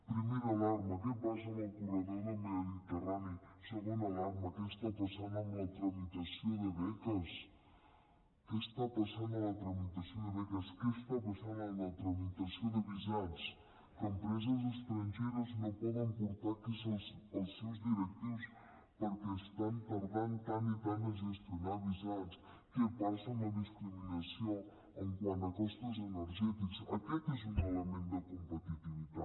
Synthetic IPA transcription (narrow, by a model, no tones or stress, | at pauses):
pɾimejɾalaɾmɐkepas̬ɐnawkuɾɐðoðɐmeoðit̪eraniseɣũnd̪alaɾmɐkest̪apɐsand̪onɐt̪ɾɐmit̪ɐsjõd̪ɪβɛkɐs | kest̪apasand̪onɐt̪ɾɐmit̪ɐsjod̪eβɛkɐskest̪apasand̪onɐt̪ɾɐmit̪ɐsjod̪eβizaðs | kempɾezɐzeʃt̪ɾɐ̃nʒejɾɐznɐ̃w̃pɔðẽmpuɾt̪aɾkesosewzðiɾet̪is | poɾkest̪ãnt̪ɐɾðãnt̪anit̪anɐʒest̪jonaɾβizãns | kɨpasɐ̃nɐðiskɾiminɐsjõw | ẽŋkwãnt̪ɐkɔst̪ʊzeneɾʒɛt̪ikʊsɐkɛkezũŋelemẽnt̪d̪ɐkõmpɐt̪it̪iβiða